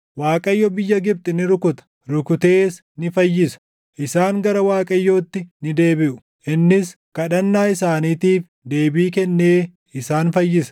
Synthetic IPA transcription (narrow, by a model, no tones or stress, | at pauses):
waːkʼɐjːɔbɪjːɐɡɪb̚t̪ʼɪnɪɾʊkʊt̪ɐ̥ | ɾʊkʊt̪e̞ːs | nɪfɐjːɪsɐ̥ | ʔɪsaːŋɡɐɾɐwaːkʼɐjːoːt̪ːɪnɪd̪e̞ːbɪʔʊ̥ | ʔɪnːɪskɐᶑɐnːaːɪsaːniːt̪iːf | d̪e̞ːbiːkɛnːe̞ː | ɪsaːnfɐjːɪsɐ̥